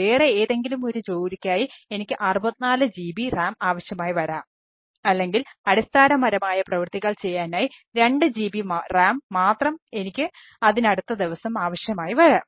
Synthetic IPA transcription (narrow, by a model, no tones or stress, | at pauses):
eːreeːðe̞ŋɡilumo̞ɾut͡ɕo̞ːɾikʲːaːjie̞nikʲːɨʔɐrubɐt̪ːinaːlɨd͡ʑiːbiraːmaːʋɐɕjɐmaːjiʋɐɾaːm | ɐlːe̞ŋɡilɐɽist̪ʰaːnɐmɐɾɐmaːjɐprɐʋɨrt̪iɣɐɭt͡ɕe̞jːaːnaːjiɾe̞ɳɖɨd͡ʑiːbiraːmːaːt̪rɐme̞nikʲːɨ | ɐðinɐɽut̪ːɐd̪iʋɐsɐmaːʋɐɕjɐmaːjiʋɐɾaːm